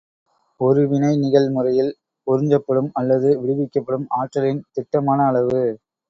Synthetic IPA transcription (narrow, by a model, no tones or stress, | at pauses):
ɔɾɯʋɪnɐɪnɪɣɐlmɯrɐjɪl | pɔɾɪɲd͡ʒɐpːɐɽɯmɐlːɐðɯʋɪɽɯʋɪkːɐpːɐɽɯmaːʈrɐlɪnt̪ɪʈːɐmaːnɐːɭɐʋɯ